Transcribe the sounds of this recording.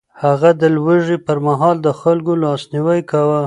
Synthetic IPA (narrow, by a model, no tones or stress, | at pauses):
haɣad̪əlwəʒipəɾmaɦɑld̪əxalkolɑsniwajkawa